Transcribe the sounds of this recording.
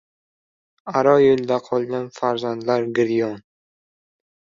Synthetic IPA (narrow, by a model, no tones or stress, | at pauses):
aɾɒjold̪aqʰɒlˠɡʲanfaɾzand̪laɾɡɪɾjɒn